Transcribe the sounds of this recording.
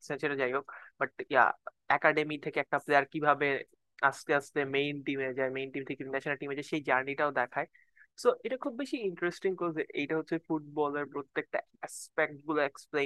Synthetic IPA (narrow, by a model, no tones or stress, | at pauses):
sɛ̃nt͡ʃeɾed͡ʑajɦokbɐʈja̰ | ɛkaɖemit̪ʰekeɛk̚ʈapleaɾkibʱabe | ast̪eəst̪emejnʈimed͡ʑaemejnʈimt̪ʰekinɛʃonalʈimed͡ʒaeʃed͡ʑaɾniʈaod̪ɛkʰae | soʔeʈakʰubːeʃiiɳʈɾesʈiŋkɔeʔejʈaɦotːʰeefuʈ̚bɔlɐɾpɾot̪ːek̚ʈa | espek̚ʈbuleksplẽn